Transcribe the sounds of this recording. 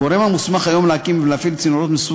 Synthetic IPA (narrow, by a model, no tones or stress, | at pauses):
oɾemhamusmaχajo̞mleakimveleafilt͡sinuɾot̪mesu